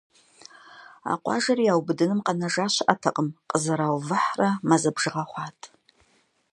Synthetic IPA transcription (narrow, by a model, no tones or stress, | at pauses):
a̰qʷʼɑ̰ʒɐrijaːwbɨdɨnɨmqɐnɐʒaːʃʷɪʔatʰɐqʼəmqʼəzɨɾawvɨħramazɐbʒɨʁaχʷɑtʰʼ